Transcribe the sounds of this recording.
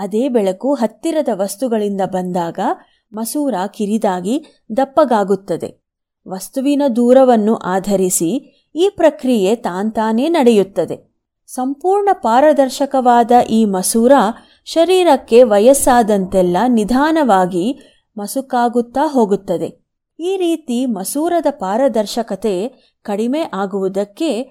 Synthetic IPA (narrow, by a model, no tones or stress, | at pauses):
ɐd̪eːbɛɭɐkuɦɐt̪ːiɾɐd̪ɐʋɐst̪uɡɐɭind̪ɐbɐnd̪aːɡɐ | mɐsuːɾaːkiɾid̪aːɡi | d̪ɐpːɐɡaːɡut̪ːɐd̪e̞̰ | ʋɐst̪uʋinɐd̪uːɾɐʋɐnːuʔaːd̪ʱɐɾisi | iːpɾɐkɾije̞t̪aːnt̪aːne̞ːnɐɽejut̪ːɐd̪e̞ | sɐmpuːɾɳɐpaːɾɐd̪ɐɾʃɐkɐʋaːd̪ɐʔiːmɐsuːɾa | ʃɐɾiːɾɐkːe̞ʋɐjɐsaːd̪ɐnt̪ɛlːɐnid̪ʱaːnɐʋaːɡi | mɐsukaːɡut̪ːaːɦo̞ːɡut̪ːɐd̪e̞̰ | iːɾiːt̪imɐsuːɾɐd̪ɐpaːɾɐd̪ɐɾʃɐkɐt̪e | kɐɽime̞ʔaːɡuʋud̪ɐkːe̞